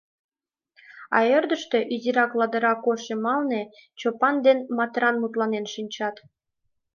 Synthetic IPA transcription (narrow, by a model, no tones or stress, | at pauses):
ɑ̰erd̪əʃt̪øʔyzʲiɾɑklɑd̪ə̆ɾɑkoʃemɑlnet͡ɕopɑnd̪enmɑt̪ɾɑnmut̪lɑnenʃinʲt͡ɕɑt̪